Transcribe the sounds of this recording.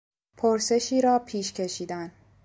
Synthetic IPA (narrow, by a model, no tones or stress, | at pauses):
pʰoɾse̞ʃiːɾɒːpʰiːʃcʰe̞ʃiːd̪æn